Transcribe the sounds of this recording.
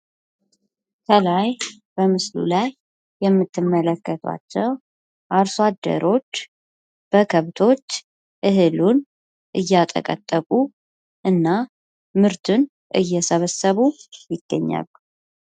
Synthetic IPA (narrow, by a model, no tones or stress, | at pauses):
kʰəlaj | b̥əmɨslṵlajː | ɛmːɨt̪ʰːɨmːələkːət̪ʰwa̰t͡ʃːɛw | ʔaɾswad̪ːə̰ɾo̞t͡ʃː | b̥əkʰəβt̪ʰo̞t͡ʃː | ʔɨɦɨlun | ʔɨjːat̪ʼə̰kʼə̰t̪ʼːəkʼu | ʔɨnːa | mɨɾt̪ʰun | ʔɨ̰jːɛsəβəsːəβujɪɡ̥ːəɲːa̰lːu